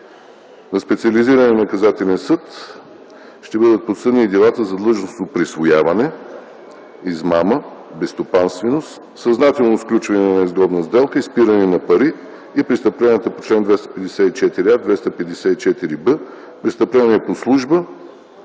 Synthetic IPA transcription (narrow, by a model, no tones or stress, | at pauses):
nɐspɛt̪siəliziɾənɛnɐkɐzat̪ɛlɛnsɤt̪ | ʃt̪ɛbɤd̪ət̪̚pot̪sɤd̪nid̪ɛlˠat̪əzɐd̪lˠɤʒnost̪opɾisvojavɐnɛ | izmaməbɛst̪opanst̪vɛnost̪ | sɐznat̪ɛlˠnofklʲut͡ʃvɐnɛnnɛizɡɔbnəzd̪ɛlˠkəispiɾəninɐpɐɾiː | pɾist̪ɐplʲɛnət̪əpot͡ʃlɛnd̪vɛst̪ə̥pɛd̪ɛsɛit͡ʃɛt̪iɾiad̪vɛst̪əpɛd̪ɛsɛit͡ʃɛt̪iɾibə | pɾist̪ɐplʲɛniɛposlˠuʒbə